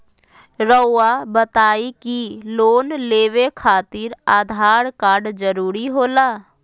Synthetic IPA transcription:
ɾəːabət̪aːikiloːnleːʋekʰaːt̪ɪɾaːd̪ʱaːɾkaːɾɖd͡ʒəɾuːɾiɦoːlaː

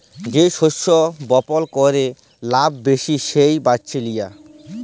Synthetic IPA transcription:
d͡ʑeʃoʃːobɔpolkɔɾe | labːeʃiʃejbat͡ɕʰelija

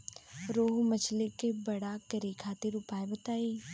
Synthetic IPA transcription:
ɾoːɦmət͡ʃʰlekebɐɽakəɾikʰaːt̪iɾʊpaːebət̪aːi

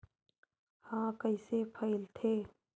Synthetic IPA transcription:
hãːkəɪsepʰəɪlt̪ʰeː

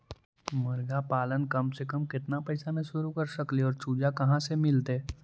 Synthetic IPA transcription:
məɾɡapalənkəmsekəmkɪt̪napəjsamẽsuɾukəɾsəkliɔɾt͡ʃud͡ʑakəɦãsemɪlt̪e

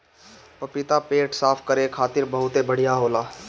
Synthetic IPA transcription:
pɐpɪt̪apeːʈsaːpʰkəɾekʰaːt̪ɪɾbəɦʊt̪ebəɽ̤ijaɦoːlaː

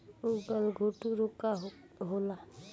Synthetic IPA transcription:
uɡəlɡʱoʈuɾokːa | ɦola

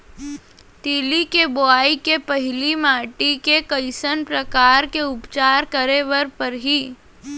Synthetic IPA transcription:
t̪iːlikeboaːikepɐɦɪlimaːʈikekəɪsənpɾəkaːɾkeʊpt͡ʃaːɾkəɾeʋəɾpɐɾɦiː

